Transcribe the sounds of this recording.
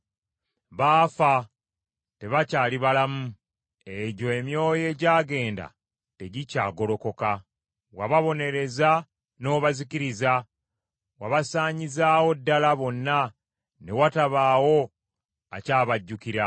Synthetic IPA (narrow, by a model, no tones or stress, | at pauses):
βaːfa | te̞βacaːliβalamu | eɟo̞emjo̞ːje̞ːɟaːɡe̞ːnda̰ | te̞ɟica̰ːɡo̞lo̞ko̞ka | waβaβo̞ne̞ɾe̞za | no̞ːβazikiɾiza | waβasaːɲizaːwo̞dːalaβo̞nːa | ne̞wataβaːwo̞ | a̰caːβaɟːukiɾa